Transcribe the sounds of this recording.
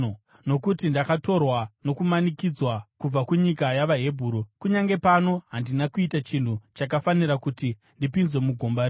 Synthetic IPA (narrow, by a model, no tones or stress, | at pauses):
no̞kutindakato̞rwano̞kumanikid͡zwakub͡vakuɲikajaʋaɦe̞bʱuːɾukuɲaŋɡe̞pano̞ɦandinakuitat͡ʃin̤ut͡ʃak̬afaniɾakuti | ndipinzwemuɡʱo̞mbaɾ